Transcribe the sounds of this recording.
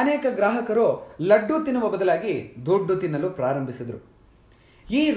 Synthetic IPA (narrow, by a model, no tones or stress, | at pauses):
ɐneːkɐɡɾaːɦɐkɐɾolɐɖːut̪inːuʋɐbɐd̪ɐlaːɡid̪uɖːut̪inːɐlupɾaːɾɐmbʱisid̪ɐɾṵ | iːɾ